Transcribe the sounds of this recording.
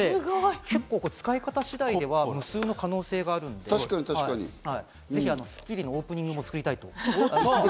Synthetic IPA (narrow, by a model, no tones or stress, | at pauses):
eke̞kːo̞ːko̞t͡sɨ̥kaikat̪aɕid̪aid̪e̞βamɯ̟sɨːno̞kano̞ːse̞ːɡaːɾɯ̟̃nd̪eḁkaɲit̪aiaɲḭhai | ze̞çianosɨ̥kʲːiɾʲino̞oːpɯ̟ɲ̟ĩŋɡɯ̟mo̞t͡sɨ̥kɯɾʲit̪ait̪o̞